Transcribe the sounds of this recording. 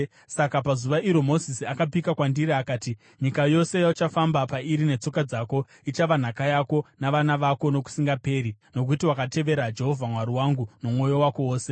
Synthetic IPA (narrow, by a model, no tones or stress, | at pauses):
sakapazuʋaiɾo̞mo̞zisiakap̬ikakwandiɾiakaːti | ɲikajo̞se̞jaut͡ʃafambapaiɾine̞t͡so̞kad͡zaːko̞ | it͡ʃaʋan̤akajako̞naʋanaʋako̞no̞ku̥siŋɡape̞ːɾino̞k̬utiwakate̞ʋe̞ɾad͡ʒe̞ɦo̞vʱamwaɾiwaŋɡuno̞mŋo̞jo̞wako̞woːse̞